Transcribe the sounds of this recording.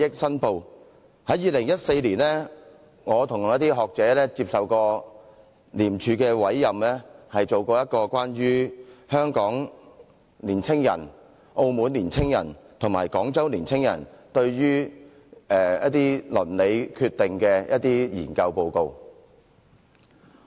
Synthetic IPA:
jɪ˥k̚sɐ˥npo˨˧w | hɐ˨˥jiː˨˧lɪ˨˩ŋjɐ˥t̚se˧jliː˨˩nlɛː˥ | ŋɔː˨˧t̪ʰʊ˨˩ŋjɐ˥t̪̬iː˥ɦɔː˨k̚t͡sɛː˨˥lɛː˥t͡siː˧p̚sɐ˨wkɔː˧ | liː˨˩mt͡ʃʰyː˨˧kɛː˧wɐ˨˥jːɐ˨mlɛː˥hɐ˨jt͡so˨wkɔː˧jɐ˥t̚kɔː˧kʷaː˥nɥyː˥hœː˥ŋkɔː˨˥ŋ | liː˨˩nt͡sʰɪ˥ŋjɐ˨˩n | ʔo˧wmuː˨˥nliː˨˩nt͡sʰɪ˥ŋjɐ̰˨˩nt̪ʰŋmaː˨˩jkɔː˨˥ŋt͡sɐ˥wliː˨˩nt͡sʰɪ˥ŋjɐ̰˨˩nt̪ɵ˧ɥɥyː˥ | ɛː˧˩jɐ˦˥t̚t̪iː˥lɵ˨˩nle˨˧jkʰyː˧t̪ɪ˨ŋkɛː˧jʔɐ˥t̚t̪iː˥jḭː˨˩nkɐ˧wpo˧wko˧w

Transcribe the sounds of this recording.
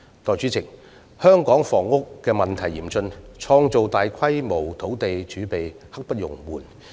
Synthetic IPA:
t̪ɔː˨˩jt͡ʃyː˨˥t͡sʰɪ˨˩ŋ | hœː˥ŋkɔː˨˥ŋfɔː˨˩ŋʊ˥kːɛː˧mɐ˨nt̪ʰɐ˨˩jiː˨˩mt͡sɵ˧nt͡sʰɔː˧ŋt͡so˨wt̪aː˨jkʰɐ˥jmo˨˩wt̪ʰo˨˥wt̪e˨jt͡ʃyː˨˥pe˨j | hɐ˥k̚pɐ˥t̚jʊ̰˨˩ŋmuː˨˩n

